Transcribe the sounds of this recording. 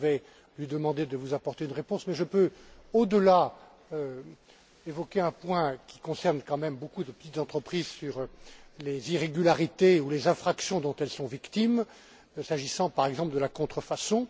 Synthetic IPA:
vɛ | lɥid̪əmɑ̃d̪ed̪əvuzapɔʁt̪eynʁepɔ̃smɛʒəpøod̪əla | ø | evɔkʲeɛ̃pwɛ̃kʲi̥kɔ̃sɛʁnkɑ̃mɛmbokud̪əpə̥t̪it̪zɑ̃t̪χəpχizsyʁleziʁeɡʲylaʁit̪eulezɛ̃fχaksjɔ̃d̪ɔ̃t̪ɛlsɔ̃vikt̪im | saʒisɑ̃paʁɛɡzɑ̃pləd̪əlakɔ̃t̪χəfasɔ̃

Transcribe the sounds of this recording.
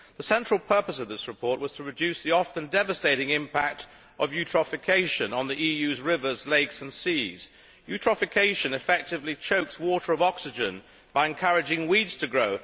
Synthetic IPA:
ðəsɛ̃nt͡ʃɹ̥əlˠpʰɜ˞pəsʌvðɪsɹɨpʰɔɹʔ̚wʌz̥tʰəɹɨdʉsðiɑfɨ̃ndɛvəsteɪɾɪ̃ŋɪ̃mpʰæk̚t | ʔʌvjʉtɹ̥əfɨkʰeɪʃɨ̃nə̃nðiʔijʉzɹɪvə˞zleɪksɨ̃nsiz̥ | jʉtʰɹ̥əfɨkʰeɪʃɨ̃nɨfɛk̚tɨvlit͡ʃʰoʊkswɔɾə˞ʌvɑksɨd͡ʒɨ̰̃n | b̥aɪɨ̃nkʰʌɹɨd͡ʒɪ̃ŋwidz̥tʰɨɡɹoʊ

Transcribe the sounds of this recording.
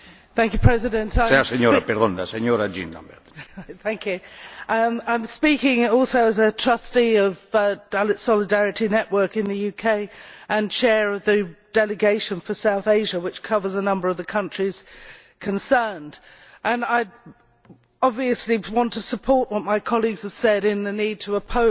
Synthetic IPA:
θæ̃ŋkjʉpʰɹ̥ɛzɨdɨ̃ntʰaɪasɛnjɔːɾapɪɾðɔnda̰sɛnjɔːɾad͡ʒḭnda̰mbɛ̰d̪θæ̃ŋkʰjʉʔʌ̃ãɪ̃mspikɪ̃ŋɔlˠsoʊɨzɨtʰɹ̥ʌstiʌvd̥alɨtsɑlɨdæɹɨɾinɛʔwɜ˞kɨ̃nðɨjʉkʰeɪʔɨ̃nt͡ʃʰɛɹʌvðɨd̥ɛlɨɡeɪʃɨ̃nfə˞saʊθeɪʒəwɨt͡ʃkʰʌvə˞zənʌ̃mbə˞ʌvðɨkʰʌ̃nt͡ʃɹ̥iz̥ | kʰɨ̃nsɜ̃˞nd | ʔə̃naɪ | ɑbviɨsliwɑ̃ntʰəsəpʰɔɹʔwʌt̚maɪkʰɑlˠiɡz̥əv̥sɛɾɪ̃nðɨnid̚tʰəːpʰoʊ

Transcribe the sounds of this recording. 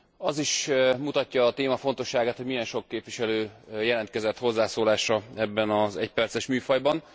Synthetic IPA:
ɒziʃmut̪ɒcːɒːt̪eːmɒfo̞n̪t̪o̞ʃːaːɡaːt̪ho̞ɟmijɛnʃo̞kːeːpʋiʃɛløːjɛlɛnt̪̚kɛzɛt̪ho̞zːaːsoːlaːʃɒɛbːɛnɒzɛ̰cpɛrt̪sɛʃmyːfɒjbɒn

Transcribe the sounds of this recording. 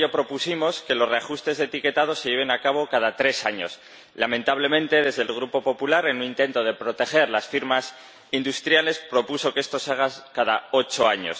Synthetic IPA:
opɾo̞pusimo̞ske̞lo̞sreaxust̪e̞zðeːt̪ike̞t̪aðo̞se̞ʝe̞β̞e̞nakaβ̞o̞kaðat̪ɾe̞saɲo̞̰s | lamẽnt̪aβ̞le̞mẽnt̪e̞ðe̞zðelɣ̞ɾupo̞po̞pulaɾe̞nũnĩnt̪e̞nt̪o̞ð̞e̞pɾo̞t̪e̞xe̞ɾlasfiɾmas | ind̪ust̪ɾjale̞spɾo̞puso̞ke̞st̪o̞saɣ̞akaðao̞t͡ʃo̞aɲo̞̰s

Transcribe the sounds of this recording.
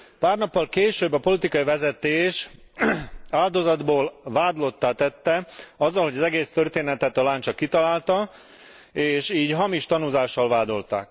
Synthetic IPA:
paːrnɒpːɒlkeːʃøːbːɒpo̞lit̪ikɒivɛzɛt̪eːʃ | aːld̪o̞zɒd̪boːlvaːd̪lo̞t̪ːaːt̪ɛt̪ːɛɒzːɒlho̞ɟɒzɛɡeːst̪ørt̪eːnɛt̪ɛt̪ɒlaːnt͡ʃɒkit̪ɒlaːlt̪ɒ | eːʃiːɟɦɒmiʃt̪ɒnuzaːʃːɒlvaːd̪o̞lt̪a̰ːk

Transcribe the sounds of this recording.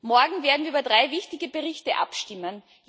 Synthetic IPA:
mɔɐɡŋ̩veːɐdn̩viɐyːbɐdʁaɪvɪçtɪɡəbəʁɪçtəʔa̰pʃtɪmən

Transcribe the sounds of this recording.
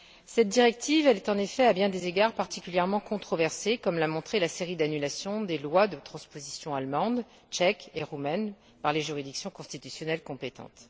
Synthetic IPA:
sɛt̪̚d̪iʁɛk̚t̪ivɛlɛt̪ɑ̃nefɛabjɛ̃d̪ezeɡaʁpaʁt̪ikʲyljɛʁmɑ̃kɔ̃t̪χɔvɛʁsekɔmlamɔ̃t̪χelaseʁid̪anylasjɔ̃d̪elwad̪ət̪χɑ̃spozisjɔ̃almɑ̃d̪ | t͡ʃɛkeʁumɛn | paʁleʒyʁid̪iksjɔ̃kɔ̃st̪it̪ysjɔnɛlkɔ̃pet̪ɑ̰̃t̪

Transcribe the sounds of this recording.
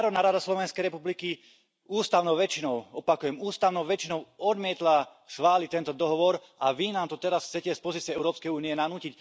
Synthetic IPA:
aɾɔd̪naːɾad̪aslɔʋɛnskɛjɾɛpubliki | uːst̪aʊnɔʊʋɛt͡ʃinɔʊɔpakujɛmuːst̪aʊnɔʊʋɛt͡ʃinɔʊɔd̪mɪɛt̪la | sxʋaːlit̪ɛnt̪ɔd̪ɔɦɔʋɔɾʔaʋinaːmt̪ɔt̪ɛɾasxt͡sɛcɛspɔziːt͡siɛɛʊɾɔːpskɛjuːniɛnanuːcic

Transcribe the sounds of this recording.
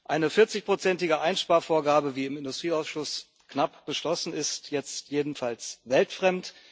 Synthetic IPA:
ʔaɪnəfɪɐt͡sɪçpʁ̥ot͡sɛntɪɡəʔaɪnʃpaːɐfoːɐɡaːbəviːɪmɪndʊstʁ̥iːaʊsʃʊs | knapb̥əʃlɔsn̩ɪstjɛt͡stjeːdn̩falsvɛltfʁ̥ɛmt

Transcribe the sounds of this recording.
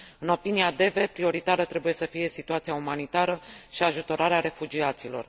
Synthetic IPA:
ɨno̞piniad̪e̞ve̞pɾio̞ɾit̪aɾət̪ɾe̞buje̞səfije̞sit̪uat̪sijaumanit̪aɾəʃiaʒut̪o̞ɾaɾeaɾe̞fud͡ʒiat̪silo̞̰r

